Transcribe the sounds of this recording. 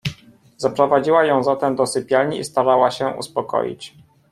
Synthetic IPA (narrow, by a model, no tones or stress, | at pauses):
zapɾɔvad͡ʑiwajɔ̃w̃zat̪ɛmd̪ɔsɘpʲjalɲiḭst̪aɾawaɕɛṵspɔkɔ̰jḭt͡ɕ